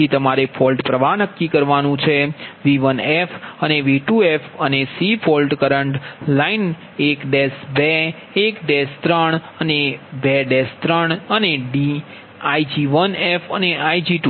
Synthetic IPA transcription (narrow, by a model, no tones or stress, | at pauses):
it̪əmaɾefʰɔlʈpɾəʋanəkːikəɾʋanũt͡ʃʰeʋiʋənefəneʋiʈuefənesifʰɔlʈkəɾəɳʈlain | ekɖesbeː | kɖest̪ɾəɳənebɛɖest̪ɾəɳəneɖi | ajd͡ʒiʋənefəneaid͡ʒiʈu